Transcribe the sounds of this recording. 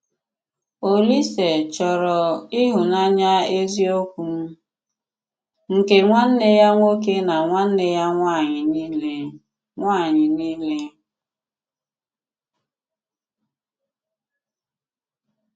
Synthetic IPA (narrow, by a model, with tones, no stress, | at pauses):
o˨li˦se˨t͡ʃɔ˨ɾɔ˨i˦ɦʊ˨na˦ɲa˦e˦zi˦o˦kʷu˨m̩˦ | ŋ̩˨ke˨ŋʷa˦n̩˦ne˦ja˦ŋʷo˦k̬e˦na˨ŋʷa˦n̩˦ne˦ja˦ŋʷa˦˨ɲɪ˨ni˦le˦ | ŋʷaː˦˨ɲɪ˨niː˦le˦